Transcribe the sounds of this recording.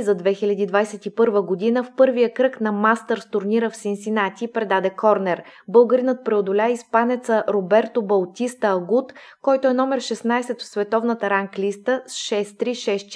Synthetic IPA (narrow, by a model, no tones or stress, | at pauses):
zɐd̪vɛxilʲɐd̪iːd̪vajsɛt̪ipɤɾvəɡod̪inəfpɤɾvijəkɾɤknɐmast̪əɾst̪ʊɾniɾəfsinsinat̪ʲipɾɛd̪ad̪ɛkʰɔɾnɛɾbɤlˠɡəɾinət̪̚pɾɛod̪ʊlʲaispanɛt̪səɾobɛɾt̪obɐlˠt̪ʲist̪əːɡut̪ | kɔjt̪oɛnɔmɛɾʃɛsnajsɛt̪fsvɛt̪ɔvnət̪əɾaŋklist̪əsʃɛst̪ɾiʃɛst͡ʃ